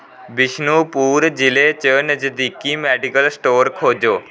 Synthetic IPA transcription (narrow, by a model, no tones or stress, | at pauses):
bɪʃnupuːɾd͡ʒilet͡ʃənəd͡ʒəd̪ikːimɛɖikəlsʈoːɾkʰoːd͡ʒoː